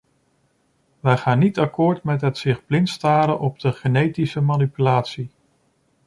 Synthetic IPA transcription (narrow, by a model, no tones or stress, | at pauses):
ʋɛjχaːnːitɑkʊːɹtmɛtɦətsɪχblɪntstaːɾənʔɔb̚dəχənejtisəmanipylaːtsi